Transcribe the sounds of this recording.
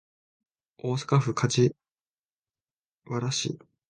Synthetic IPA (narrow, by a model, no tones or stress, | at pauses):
o̞ːsḁkaɸɯ̟kʰad͡ʑi | βaɾaɕḭ